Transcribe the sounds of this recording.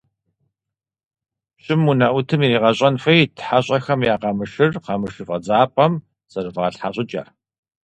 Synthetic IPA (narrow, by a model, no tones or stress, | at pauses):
ɕʼɪmunɐʔʷʊtʰɨmiriːʁɐɕʼɐnfɐjtʰħaɕʼɐxɐmjaːqɐmɨʃɨrqɑmɨʃɨfʼɐd͡zaːpʼɐm | z̥ɐrɨvʁɐɬħaɕʼɪt͡ʃʼɐ̰r